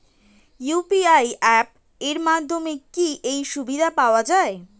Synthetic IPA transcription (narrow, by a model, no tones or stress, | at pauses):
jupiajɛp̚ | eɾmad̪ʱːomekiʔejʃubid̪ʱapaoad͡ʑae